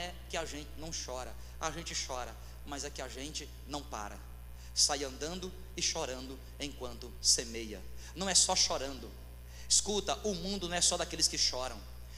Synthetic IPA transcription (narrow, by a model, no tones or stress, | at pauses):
ɛ | kɪaʒẽnt͡ʃɪnɐ̃w̃ʃɔɾɐ | aʒẽnt͡ʃɪʃɔɾɐ | mazɛkɪaʒẽnt͡ʃɪ | nɐ̃w̃pa̰ɾɐ̰ | sajɐ̃nd̪ɐ̃nd̪ʊ | ɪʃɔɾɐ̃nd̪ʊ | ẽj̃kwɐ̃nt̪ʊsemejɐ̰nɐ̃w̃ɛsɔʃɔɾɐ̃nd̪ʊ | ɪskut̪ɐʔʊmũd̪ʊnɐ̃w̃ɛsɔd̪akelɪskɪʃɔɾɐ̃w̃